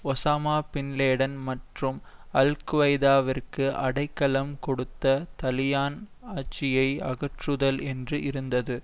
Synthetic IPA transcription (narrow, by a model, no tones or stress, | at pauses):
ɔsaːmaːpɪnleːɽɐnmɐʈrɯmɐlkɯʋɐɪðaːʋɪrkɯʔɐɽɐɪkːɐlɐmkɔɽɯt̪ːɐt̪ɐlɪjaːn | aːt͡ʃːɪjɐɪɐ̰ɣɐʈrɯðɐlɛndrɯʔɪɾɯnd̪ɐðɯ